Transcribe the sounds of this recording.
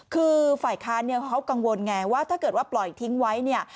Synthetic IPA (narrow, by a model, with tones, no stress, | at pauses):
kʰɯː˧faː˨˩jkʰaː˦˥nːi˥˩ɐkʰa˦˥wka˧ŋwo˧nŋɛː˧waː˥˩t̪ʰaː˥˩kɤ˨˩t̪̚waː˥˩plɔ˨˩jt̪ʰi˦˥ŋwa˦˥jni˥˩ɐ